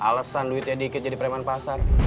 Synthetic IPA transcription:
ʔalasanluɪt̪̚jadikɪt̪̚d͡ʒadipɾɛmanpasar

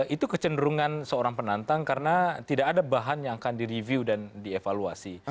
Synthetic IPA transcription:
it̪ukət͡ʃəndəɾuŋansəoɾaŋpənant̪aŋkaɾənat̪idakadabaɦanjaŋakandiɾiviudandiefaluasi

